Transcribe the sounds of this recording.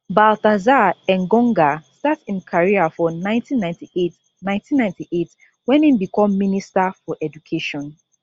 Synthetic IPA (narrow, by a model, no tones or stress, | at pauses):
baltazaɛ̃ŋɡɔ̃ŋɡastatsĩnkʰaɹiafɔnãɪ̃ntʰĩnːãɪ̃ntiet | nãɪ̃ntĩnːãɪ̃ntiʔet | wɛ̃nimbikʰɔ̃mːĩnistafɔʔɛdukʰeʃɔ̃n